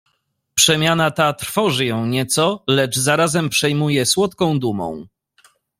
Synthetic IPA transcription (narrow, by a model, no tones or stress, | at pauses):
pʂɛmʲjanat̪at̪ɾfɔʐɘjɔ̃w̃ɲɛt̪sɔlɛd͡ʐzaɾazɛmpʂɛjmujɛswɔt̪kɔ̃w̃d̪umɔ̰̃w̃